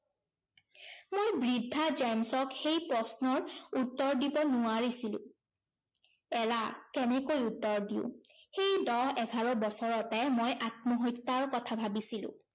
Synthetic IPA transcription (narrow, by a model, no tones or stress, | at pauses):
mojbɹidʱːad͡ʒajmsɔkxejpɹɔsnɔɹutːɔɹdibɔnʊaɹisilʊ̰̃ | ɛɹakɛnɛkojutːɔɹdiʊ̰̃xejdɔɦɛɡʱaɹɔbɔsɔɹɔtɛmojʔat̚mɔɦɔjtːaɹkɔtʰabʱabisilʊ̰̃